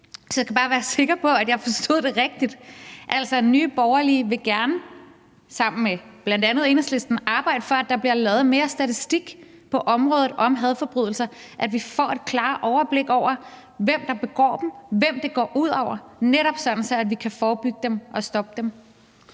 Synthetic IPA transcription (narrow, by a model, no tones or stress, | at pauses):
sɒkʰæb̥ɑ̈ːʋæːɐse̝ɡ̥ɐpʰɒ̽æd̥jɑ̈ɪfɒ̽sd̥o̝ð̰ˠd̥e̝ʁɛɡ̥̚d̥id̥ʔæl̰sɒnyːb̥ɒʊɐliəʋe̝ɡ̥æɐnə | sɑ̈m̰n̩meb̥læn̰d̥ænð̞̩ˠe̝nəsle̝sd̥n̩ɑ̈ːb̥ɑ̈ɪ̰d̥əfɒ̽æd̥ːɑ̈b̥liɐlɛːð̞̩ˠme̝ːɐsd̥æt͡sʰisd̥iɡ̥ | pʰɒ̽ʔɒ̽mʁɔːðˠð̩ˠʔɒ̽mɦæðˠfɒ̽b̥ʁyð̞̰ˠl̩sɐ | ʔæd̥ʋifɒ̰ːe̝d̥̚kʰlɑ̈ːʔɒʊɐb̥le̝ɡ̥ɒʊ̰ɐ | ʋem̰d̥ɑ̈b̥e̝ɡ̥ɒ̰ːd̥em̩ʋem̰d̥e̝ɡ̥ɒ̰ːʔuð̞̰ˠɒʊ̰ɐneɾ̥ɒ̽b̥sɒ̽d̥n̩sɒ̽æd̥ʋikʰæfɒːb̥yɡ̥əd̥emʔɒ̽sd̥ɒ̽b̥əd̥em